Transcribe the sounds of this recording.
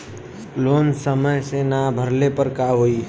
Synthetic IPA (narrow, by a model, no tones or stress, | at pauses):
loːnsəməjsenabʱəɾlepəɾkaɦoːi